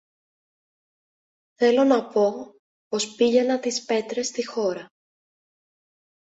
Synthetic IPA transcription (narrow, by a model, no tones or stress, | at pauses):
θe̞lo̞nɐpo̞ | po̞spiʝe̞nɐt̪ispe̞t̪ɾe̞st̪ixo̞ɾɐ